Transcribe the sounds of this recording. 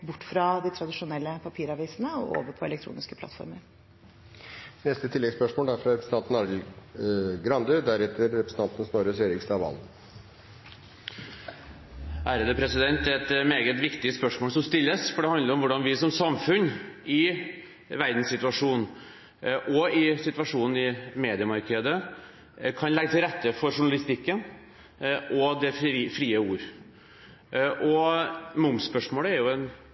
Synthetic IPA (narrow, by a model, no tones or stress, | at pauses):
bʊʈːfɾɑd̪ɪt̪ʰɾɑd̪ɪʂʊnɛlːəpʰɑpʰiːɾɑʋiːsənəɔ̰ʔo̰ːʋəɾpʰɔɛ̰lɛkt̪ʰɾṵːnɪskəplɑ̰t̪fɔ̰ɾməɾ | nɛst̪ət̪ʰɪlːɛɡspœʂmoːld̪æɾfɾɑɾɛpɾəsn̩ʰɑnt̪n̩ɑɾɡl̩ | ɡɾɑnd̪ʉd̪æɾɛt̪ʰəɾːɛpɾəsn̩ʰɑnt̪n̩snɔɾəseɾɪkst̪ɑːʋɑ̰l | æɾəd̪əpʰɾɛsɪd̪ɛnt̪ɛt̪meːɡət̪ʋɪkt̪ɪəspœʂmoːlsɔmst̪ɪlːəsfɔɖɛhɑnd̪əɾɔmʋʊɖɑnʋɪsɔmsɑmfʉnːɪ | ʋæɾd̪n̩sɪt̪ʉɑʂuːn | ʔɔɪsɪt̪ʉʋɑʂuːnn̩ɪmeːd̪ɪəmɑɾkʰəd̪ə | kʰɑnlɛɡət̪ʰɪlɾɛt̪ːəfɔɾʂʊɳɑlɪst̪ɪkːən | ʔɔd̪ɛfɾiːəuːɾ | ʔɔmʊmspœʂmoːləæɾjʊɛn